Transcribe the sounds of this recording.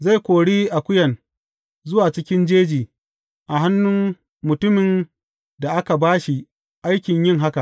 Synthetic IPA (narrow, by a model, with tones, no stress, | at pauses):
za˦˨jkʷoː˨ɽiː˦ʔa˨kʷʊ˦jɐ˨n | zʊ˦waː˨t͡ʃɪ˦kʲɪ˦nd͡ʒeː˦d͡ʒiː˨ | ʔa˨ɦa˦nːʊ˦m | mːʊ˨tʊ˦mɪ˨n | da˨ʔa˦ka˨baː˦ʃi˨ | ʔa˦jkʲɪ˨ɲjɪ˦ŋɦa˦ka˨ʔ